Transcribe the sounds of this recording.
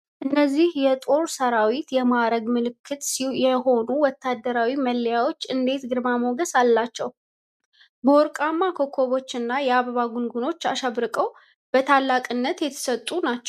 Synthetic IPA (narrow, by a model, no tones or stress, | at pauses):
ʔɨnːəzːihjɛt̪ʼo̞ɾsəɾawit̪jɛmaɾəɡmɨlɨkʰːɨt̪sjɛɦo̞nuwɔt̪ʰːad̪ːəɾawiməlːjawo̞t͡ʃːɨnd̪e̞t̪ɡɨɾmamoɡəsalːat͡ʃːɛw | bəɔɾkʼamːakʰo̞kʰːo̞βo̞t͡ʃːɨnːajɛaβəβaɡunɡuno̞t͡ʃːaʃaβɾɨkʼəw | b̥ət̪ʰalːakʼɨnːət̪jɛt̪ʰə̥sət̪ʼːunat͡ʃːɛw